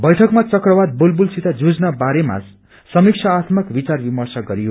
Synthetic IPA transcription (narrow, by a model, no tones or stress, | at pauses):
bʌjʈʰʌkmat͡sʌkrʌbad̪̚bolbulsit̪ad͡zud͡znabaɾema̰ | sʌmikt͡sʰʌat̪ʰmʌkbit͡sarbimʌrsʌɡʌɾiɦo